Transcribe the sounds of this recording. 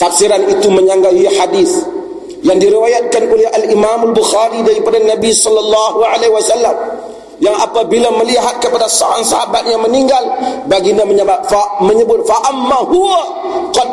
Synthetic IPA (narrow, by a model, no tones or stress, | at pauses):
t̪afsiɾanit̪uməɲaŋɡaħadiθ | jaŋdiɾiwajat̪̚kanʔolɛhalimamalbuxaɾidaɾipadanabisɔlːɑlːɑhuʕalehwasalːam | jaŋapabilaməliɦat̪̚kəpadaso̰ɾaŋsahabat̪̚ɲaməniŋɡalbaɡiɲaməɲabap̚faməɲəbʊt̪̚faʔamːahuwa | qɑd̚